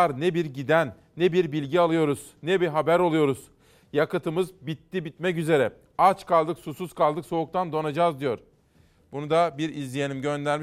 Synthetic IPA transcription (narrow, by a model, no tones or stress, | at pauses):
ɾnɛbiɾɟid̪ænːɛbiɾbilʲɟialˠɯjo̞ɾuz̥nɛbiɾɦabæɾo̞lˠujo̞ɾuz̥ | jakɯt̪ʰɯmɯzbit̪ːibit̪mɛcyze̞ɾɛ | at͡ʃkʰalˠd̪ɯksusuz̥kʰalˠd̪ɯkso̞uk̚t̪ʰand̪o̞nad͡ʒaːzd̪ijo̞ɾ | bunud̪abiɾizlʲije̞nimɟø̞nd̪æɾmi